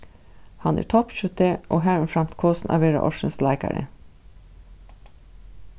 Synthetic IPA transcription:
hɑnæ̰ːʈʰɔpʃʉt̪ʰeʔoːɦæːɹɛnfɾɑmt̪kʰoːsn̩ʔɑ̰ːʋeːɾɑ̰ʔɔʃənslæɪkɑ̰ɾə̰

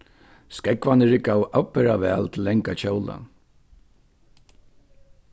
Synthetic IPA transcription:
skɛkʋanɪɾɪkawʔapːɛɾaʋɛːlt̪ʰɪlːɛŋkat͡ɕowla̰

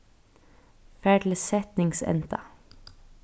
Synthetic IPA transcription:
fæːɖləsɛt̪nɪŋsɛ̰nt̪ʰɑ̰

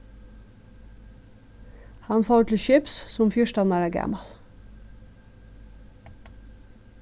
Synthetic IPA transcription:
hɑnfoːʉʈ̪ʰl̩ʃʏpssʊmfjʊʃtɑnæɾæːɡæ̰mɑl

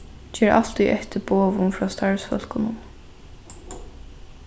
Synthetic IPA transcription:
d͡ʒeːɹɑ̰l̥t̪iʔɛht̪ɪboːʋʊnfɹɔːst̪ɑɹsfœ̰l̥kʊnʊn

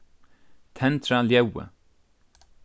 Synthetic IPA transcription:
t̪ʰɛnt̪ɾaljɛwə̰

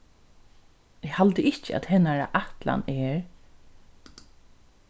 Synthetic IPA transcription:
ɪɡhalt̪əɪt͡ʃəæ̰t̪hɛnːaɹa̰ʔaht̪la̰nɛːɹ

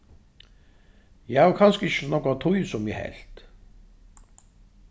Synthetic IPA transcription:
jɛhaʋkʰanskɪʃə̥nɔkat̪ʰujsʊmjɛhɛ̰lt̪

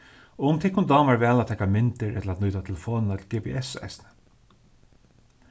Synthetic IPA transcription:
ɔʊʊmt̪ʰɪkʊnd̪ɑːmaɹvɛːlat̪ʰɛːkamɪnt̪ɪɾʔɛ̰t̪laːt̪nuːt̪at̪ʰɛləfoːnɪnat̪ʰlɡɛːpɛ̰ʔɛsɛ̰snɪ̥

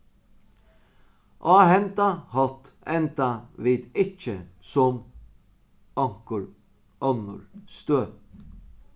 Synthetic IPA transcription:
ʔɑːhɛnt̪ahɔlt̪ | ɛnt̪aʋiːd̪ɪt͡ʃːəsɔm | ɔŋ̥kʊɹ | ɔnʊ̰ɹst̪øːp

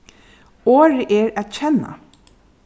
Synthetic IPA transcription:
oːɹəʔeːɹæt̪c͡çɛna̰

